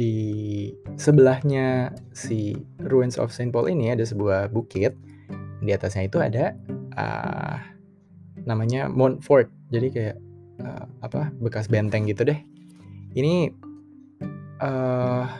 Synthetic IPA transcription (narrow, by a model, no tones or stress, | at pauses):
di | səbəlahɲasiɾuɛnsɔ̰fsanpɔlʔḭniadas̬əbuahbukɪt̪̚ | diat̪asɲait̪ua̰daə̰ | namaɲa̰mɔnfɔrt̪̚d͡ʒadikajaʔ | ə̰apabəkas̬bɛnt̪ɛŋɡit̪udɛh | ini | ʔə